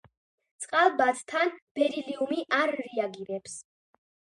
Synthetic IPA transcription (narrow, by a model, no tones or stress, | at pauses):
t̪sʼqʼalˠbast̪ʰanb̥ɛɾiliumiʔaɾːɛaɡiɾɛps